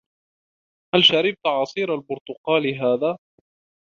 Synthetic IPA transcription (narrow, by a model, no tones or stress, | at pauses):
halʃaɾɪb̚t̪ʕɑsˤiːɾalbʊɾt̪ʊqɑːlɦaːðaː